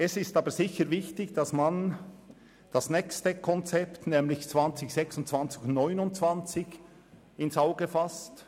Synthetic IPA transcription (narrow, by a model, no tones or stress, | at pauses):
ɛsɪstɑːbəɾzɪçəɾvɪçtɪçd̥asman | d̥asnɛkstəkʰɔnt͡sɛptnɛːmlɪçt͡svant͡sɪçsɛksʊntt͡sv̥ant͡sɪçnɔʏnʊntt͡sv̥ant͡sɪç | ɪnsaʊɡəfast